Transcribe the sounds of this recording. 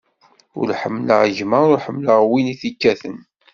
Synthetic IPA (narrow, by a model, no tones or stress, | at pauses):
ʊ̰ɾħəmːlə̰ʁʒməɾʊɾħəmːləʁwiniθikːæθən